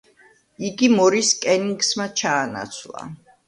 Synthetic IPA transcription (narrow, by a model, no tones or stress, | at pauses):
iɡimɔɾiskʼɛniŋɡsmat͡ʃʰaːna̰t̪sʰwlˠa̰